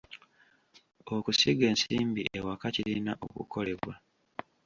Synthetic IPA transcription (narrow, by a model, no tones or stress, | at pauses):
okusiɡe̞ːnsiːmbiʔewakacilinaʔokṵkʰo̞le̞βwa